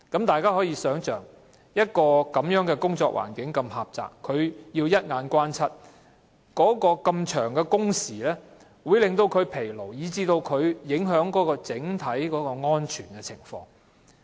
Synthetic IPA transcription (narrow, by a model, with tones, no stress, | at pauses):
kɐ˨˥mt̪aː˨jkaː˥hɔː˨˥jiː˧sœː˨˥ŋt͡ʃœː˨ŋ | jɐ˥t̚kɔː˧kɐ˨˥mjœː˨˥ŋkɛ˧kʊ˥ŋt͡sɔː˧k̚wʔa̰ː˨˩nkɪ˨˥ŋkɐ˧mhaː˨p̚t͡sa̰ː˨kʰːɵ˨˧ɥjiː˧wjɐ˥t̚ŋaː˨˧nkʷwaː˥nt͡sʰɐ˥t̚ | kɔː˨˥kɔː˧kɐ˧mt͡ʃʰœː˨˩ŋkɛ˧kʊ˥ŋsiː˨˩lɛː˥ | wu˨˧jlɪ˨ŋt̪o˧wkʰɵ˨˧ɥpʰe˨˩jlo˨˩wjiː˨˧t͡siː˧t̪o˧wkʰɵ˨˧ɥjɪ˨˥ŋɦœː˨˥ŋkɔː˨˥kɔː˧t͡sɪ˨˥ŋt̪ʰɐ˨˥jkɔː˨˥kɔː˧ŋɔː˥nt͡ʃʰyː˨˩nkɛ˧t͡sʰɪ˨˩ŋfɔ̰ː˧ŋ